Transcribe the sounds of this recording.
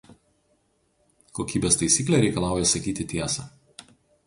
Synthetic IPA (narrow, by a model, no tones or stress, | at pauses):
koːkʲiːbʲeːst̪ɐɪsʲiːklʲeɾʲɛɪkɐlˠɑˑʊjɛsɐkʲiːt̪ʲɪt̪ʲiɛsɐ